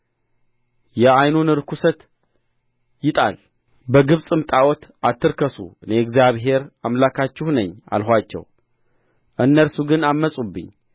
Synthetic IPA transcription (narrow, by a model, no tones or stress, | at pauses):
jɛajnunɨɾkʰusət̪ | jɪt̪ʼa̰l | bəɡɨβsʼɨmt̪ʼawɔt̪at̪ːɨɾkəsṵɨneɛɡzjaβɦe̞ɾamlakʰat͡ʃːɪhnəɲːa̰lɦʷat͡ʃːɛ̰w | ʔɨnːəɾsuɡɨnamːəsʼubːɨ̰ɲː